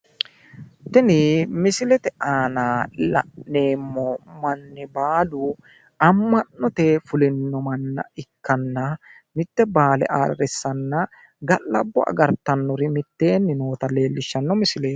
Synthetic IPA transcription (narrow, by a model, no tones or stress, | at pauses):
t̪ɛnɪmɪsɪlɛt̪ɛʔaːnaːlɐ̰ʔneːmːɔmɐnːɪbaːdʊ | ɐmːɐnːɔt̪ɛfʊlɪnːɔmɐnːɐ̰ɪkːɐnːɐ | mɪt̪ːɛbaːlɛ̰ʔa̰ːɾɐɾɛsːɐnːɐ | ɡɐlːɐ̰bːɔʔɐ̰ɡɐɾt̪ːɐnːɔɾɪmɪt̪ːe̞ːnːɪno̞ːt̪ɐle̞ːlːɪʃːɐnːɔmɪsɪleː